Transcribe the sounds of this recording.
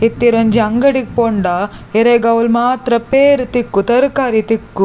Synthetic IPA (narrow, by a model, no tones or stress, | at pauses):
it̪ːiɾɐɲd͡ʒiɐŋɡɐɽik̚poɳɖɐeɾeɡɐwlmaːt̪ɾɐpeːɾt̪ikːut̪ɐɾkaːɾit̪ikːu